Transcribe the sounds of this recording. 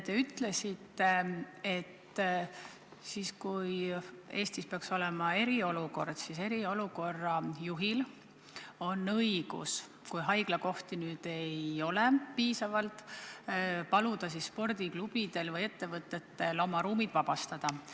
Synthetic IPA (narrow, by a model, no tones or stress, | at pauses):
t̪e̞yt̪ːˑle̞sit̪ːˑe̞e̞t̪ː | siːskuje̞ːst̪ispeɑkso̞lɛmɑe̞ɾio̞luko̞rd̪̥sise̞ɾio̞luko̞rːɑjuɦil | o̞nːɤjɡ̥ṵs | kujɦɑjɡ̥lɑko̞ht̪inyːd̪̥e̞jo̞lepiːsɑvɑlt̪ | pɑlud̪̥ɑsisːpo̞rd̪̥iklub̥id̪̥e̞lvɤje̞t̪ːe̞vɤt̪ːˑe̞t̪ːelo̞mɑɾuːmid̪̥vɑb̥ɑst̪ɑd̪̥ɑ